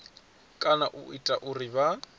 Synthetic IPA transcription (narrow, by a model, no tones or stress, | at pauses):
kʼanaʔʊitʼaʔʊrɪba